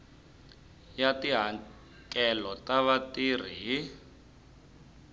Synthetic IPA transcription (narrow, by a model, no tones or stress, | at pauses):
jatiɦa | kʼɛlɔtaβatir̤iɦi